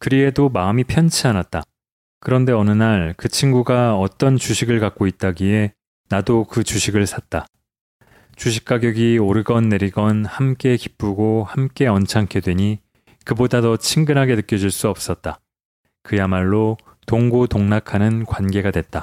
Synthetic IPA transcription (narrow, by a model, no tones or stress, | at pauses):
kɯɾie̞domaɯmipʰjʌnt͡ɕʰianat̚t͈a | kɯɾʌnde̞ʌnɯnaɭkɯt͡ɕʰiŋɡuɡaʌt͈ʌnt͡ɕuɕʰiɡɯɭkak̚k͈oit̚t͈aɡie̞ | nadokɯt͡ɕuɕʰiɡɯɭsʰat̚t͈a | t͡ɕuɕʰi̥k̚k͈aɡjʌɡioɾɯɡʌnːe̞ɾiɡʌnhamk͈e̞kip͈uɡohamk͈e̞ʌnt͡ɕʰaŋkʰedwe̞ɲi | kɯbodatʌt͡ɕʰiŋɡɯnɦaɡe̞nɯk͈jʌd͡ʑuɭs͈uʌp̚s͈ʌt̚t͈a | kɯjamaɭːo | toŋɡotoŋnakʰanɯnkwanɡe̞ɡadwe̞t̚t͈a